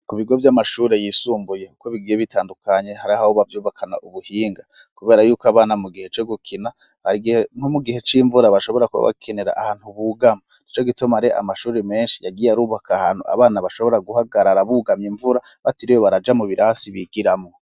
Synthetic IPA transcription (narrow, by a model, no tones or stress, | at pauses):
kuβiɡo̞vjamaʃuːɾe̞jiːsuːmbujekukoβiɡijeβitaːndukʰaɲe̞haɾiahahoβavjuːβakʰana̰ʔuβuhiːŋɡa | kuβe̞ːɾajuːkaβaːnamuɡihe̞t͡ʃo̞ɡukʰina | βaɡn̥omuɡihe̞t͡ʃiːɱvuɾaβaʃo̞βo̞ɾakuβa̰βa̰kʰeneɾa̰ʔahaːn̥huβuɡamanit͡ʃo̞ɡitomaɾeʔa̰maʃuːɾeme̞ːnʃijaɡijaɾuːβakʰahan̥hṵa̰βaːnaβaʃo̞βo̞ɾaɡuhaɡaɾaɾaβuɡamiɱvuɾaβatiɾijoβaɾad͡ʒamuβiɾʔasiβiɡiɾamŋo